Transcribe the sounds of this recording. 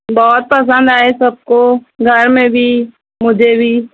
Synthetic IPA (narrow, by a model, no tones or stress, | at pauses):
bɔːt̪̚pəs̬ə̃nd̪aːesɐb̚koɡʱɐɾmẽbʱi | mʊd͡ʒʱebʱi